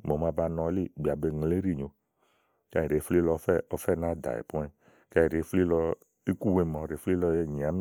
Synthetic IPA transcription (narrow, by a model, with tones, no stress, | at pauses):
mo˨ma˧ba˧nɔ̃˧˦li˦˨bi˨a˨be˧ŋ˨le˦ɾi˦˨ɲo˨ | ka˧i˨ɾe˨˦fli˦lɔ˧˦fɛ˦ɔ˧˦fɛ˦˨na˦da̰˨ḛ˨pu˦ɛ˧ | ka˧i˨ɾe˨˦fli˦lɔ˧ | i˦ku˦˨we˧mɔ̃˨ɾe˨˦fli˦lɔ˧˦je˦˨ɲĩ˨a˨˦mi˦